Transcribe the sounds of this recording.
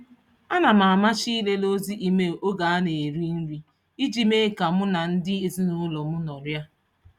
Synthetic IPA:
a˦na˨ma˨a˨ma˦t͡ʃi˦le˦lo˦zi˦ʔi˨me˦ʔo˦ɡa˨a˦ne˨ɾi˦n̩˦ɾi˦ | i˦d͡ʒi˦me˦ka˨mʊ˦na˨n̩˦dɪ˦e˨zi˦nʊ˦lɔ˨mʊ˦nɔ˨ɾja˦

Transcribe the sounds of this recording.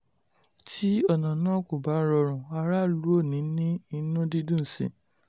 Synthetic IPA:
tʰi˦ɔ˦˨nã˨nãː˦ku˨ba˨˦ɾɔ˧ɾ̃ã˨a˧ɾa˦˨lu˦o˦˨nĩ˨˦nĩ˦i˧nũ˦di˦dũ˦˨sḭ̃˨

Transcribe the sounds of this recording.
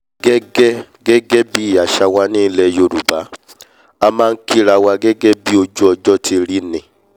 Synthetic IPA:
ɡɛ˦ɡɛ˦ | ɡɛ˦ɡɛ˦bi˦˨a˨ʃa˧wa˧˦nĩː˦lɛ˧jo˧˨ɾu˨ba˨˦ | a˧mãː˦˧n̩˦ki˦ɾa˧˨wa˧ɡɛ˦ɡɛ˦bi˦o˧d͡ʒu˦ɔ˧d͡ʒɔ˦tʰi˧ɾi˦nĩ˨

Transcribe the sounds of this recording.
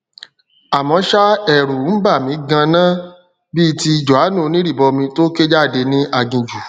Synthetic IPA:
a˨mɔ̃˨˧˦ʃa˦ɛ˦˨ɾu˨˦n̩˦ba˦˨mĩ˨˦ɡã˧nã˦ | bi˦ti˧d͡ʒɔ˨a˨˦nũ˦˨˧nĩ˨˦ɾi˦˨bɔ˧mĩ˧to˦ke˦d͡ʒa˦˨de˧nĩ˦ʔa˧ɡĩ˨d͡ʒu˨

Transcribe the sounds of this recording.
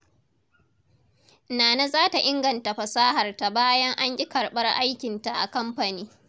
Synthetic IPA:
naː˨na˦zaː˦ta˨ʔɪ˦ŋɡɐ˨nta˨ɸɐ˨saː˦ɦɐ˨rta˨baː˦jɐ˦ŋʔa˦ɲɡʲɪ˦kɐ˨rɓɐ˦rʔa˦jkʲɪ˨nta˨ʔa̰˨kɐ˦mɸa˨niː˦

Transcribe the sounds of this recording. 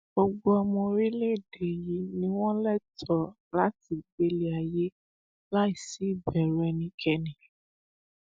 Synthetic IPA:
bɔ˧ɡ͡bɔ˧˦ɔ˧mɔ̃˧ɾi˦le˦˨de˨ji˨˦nĩ˦w̃ɔ̃˦lɛ˦tʰɔ˨ | la˨˦ti˦˨ɡ͡be˧le˦a˨je˦ | la˦i˦˨si˨˦i˦˨bɛ˨ɾu˨˦ɛ˧nĩ˧˦kʰɛ˧nĩ˨

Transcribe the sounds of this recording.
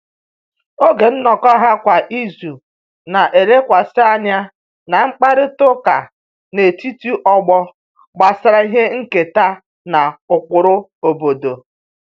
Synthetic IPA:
o˦ɡe˨n̩˦nɔ˨kɔ˦ɦa˦kʷa˨ʔi˦zu˨ | na˨ʔe˨ɾe˦kʷa˨sɪ˦a˦nja˦ | na˨ŋ͡m̩˦k͡pa˦ɾɪ˦tʊ˦ka˨ | ne˨ti˦tu˦ʔɔ˦ɡ͡bɔ˦ | ɡ͡ba˨sa˨ɾa˦i˦ɦe˦ŋ̩˦ke˨ta˦ | na˨ʊ˨k͡pʊ˨ɾʊ˦o˨bo˨do˨

